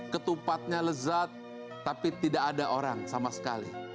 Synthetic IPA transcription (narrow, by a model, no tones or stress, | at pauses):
kət̪upat̪̚ɲaləzat̪̚ː | apit̪idakadaʔoɾaŋsamasə̥ka̰lḭ